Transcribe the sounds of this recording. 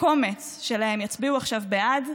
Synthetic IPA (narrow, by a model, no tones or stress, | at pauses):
ko̞me̞t͡s | ʃe̞lahe̞mjat͡sbiuaχʃavbead